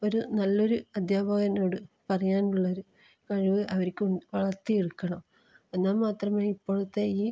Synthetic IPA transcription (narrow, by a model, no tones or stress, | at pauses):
o̞ɾunɐlːo̞ɾuɐd̪ʱjaːbʱaːɡɐno̞ːɽɨpɐrɐjaːnuɭːɐoɾu | kɐɻiʋɨɐʋɐɾkʲːuɳʋɐɭɐrt̪ːieɽukːɐɳɐm | enːaːlmaːt̪rɐmaːipːo̞ːɭut̪ːe̞iː